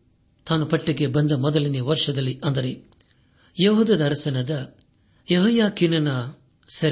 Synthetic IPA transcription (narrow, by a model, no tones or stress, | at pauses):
t̪aːnupɐʈːiɡebɐnd̪ɐmɔd̪ɐliniʋɐɾʂɐd̪ɐlːiʔɐnd̪ɐɾe | jɐɦoːd̪ɐd̪ɐːɾɐsɐnɐd̪ɐ | jeɦɐjaːkinɐnɐ | sɐɾ